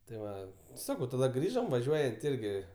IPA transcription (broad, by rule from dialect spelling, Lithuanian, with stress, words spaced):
tɐɪ ˈʋɐ ˈsɑːkɐʊ tɐˈdɐ ˈɡrʲiːʒoːm ʋɐˈʒʲuɔjɛnt ˈɪrʲɡʲɪ